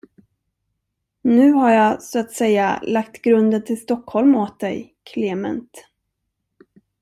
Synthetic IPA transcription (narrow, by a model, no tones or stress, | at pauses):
nʉ̟ːhaɾjɑsoat̪sɛjːa̰lakt̪ɡɾɵnd̪ənt̪ʰɪlst̪ɔkhɔlmoːt̪̚d̪ɛ̰jkʰleːmɛ̰nt̪